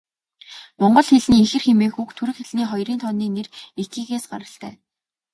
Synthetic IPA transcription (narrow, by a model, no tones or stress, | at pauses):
mɔɴɢɞ̆ɮxeɮniːexɘ̆rxemeːxukt̪ʰuɾɘ̆xeɮniːχɔjriːnt̪ʰɔnːiːneret̪iːɣeːsɢa̰ɾə̆ɬt̪æ̰ː